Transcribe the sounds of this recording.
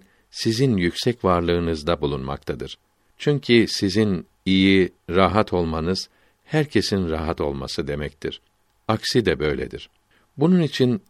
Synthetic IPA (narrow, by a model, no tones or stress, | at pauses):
sizinjycʲsɛcvaɾlˠɯːnɯzd̪abulˠunma̰k̚t̪ʰad̪ɯɾ̥ | t͡ʃʰyɲcʰisizin | ijiɾaɦat̪ʰo̞lˠmanɯz̥ | hæɾcʰe̞sinɾaɦat̪o̞̰lˠma̰sɯd̪e̞mɛc̚t̪ʰiɾ̥ | aksid̪ɛbø̞jlʲḛd̪iɾ̥ | bununit͡ʃʰin